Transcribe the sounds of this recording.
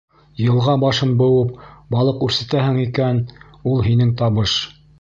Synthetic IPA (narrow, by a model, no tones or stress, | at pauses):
jɤ̆lˠʁɑbɑʃɤnbɤ̆wɤp̚bɑlˠɤqʉɾsæ̆t̪æɦɘŋikæn | ulˠɦinɘŋt̪ɑβɤʃ